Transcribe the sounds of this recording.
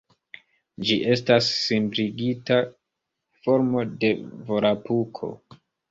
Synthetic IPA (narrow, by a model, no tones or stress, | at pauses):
d͡ʒiʔe̞stasːimbɾiɡita | fo̞ɾmo̞de̞vo̞ɾapukʰo̞̰